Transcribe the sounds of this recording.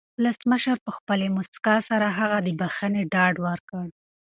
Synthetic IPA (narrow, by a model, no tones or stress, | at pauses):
wʊləsməʃəɾpəxpəlemʊskɑsaɾaɦaɣad̪əbaxəneɖɑɖwəɾkəɽ